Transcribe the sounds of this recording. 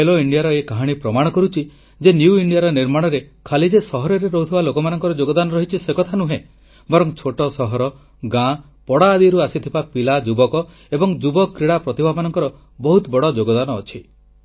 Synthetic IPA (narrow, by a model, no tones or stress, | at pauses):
eloiɳɖijaɾɔekaɦaɽ̃ipɾɔmaɽ̃ɔkɔɾut͡ʃʰi | d͡ʒenjuiɳɖijaɾɔniɾmaɽ̃ɔɾekʰalid͡ʒesɔɦɔɾɔɾeɾɔɦut̪ʰibalokɔmanɔŋkɔɾɔd͡ʒoɡɔd̪anɔɾɔɦit͡ʃʰisekɔt̪ʰanuɦẽ | bɔɾɔŋt͡ʃʰoʈɔsɔɦɔɾɔ | ɡã | pɔɽaːd̪iɾuasit̪ʰibapilad͡ʒubɔkɔ | ebɔŋd͡ʒubɔkːɾiɽapɾɔt̪ibʱamanɔŋkɔɾɔ | bɔɦut̪ɔbɔɽɔd͡ʒoɡɔd̪anɔːt͡ʃʰi